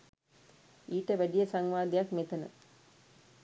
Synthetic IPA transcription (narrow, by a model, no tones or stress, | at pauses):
iːʈəʋæɖijəsaŋʋaːd̪ejakmet̪ənə̰